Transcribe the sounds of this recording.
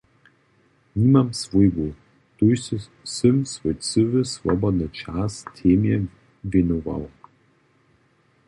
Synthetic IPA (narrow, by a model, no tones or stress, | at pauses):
niːmamsvujbu | t̪uj | sɨmsvojt͡sɨvɨsvɔ̰bɔd̪nɨt͡ʃaːst̪ʰeːmjɛ | vʲenuva̰w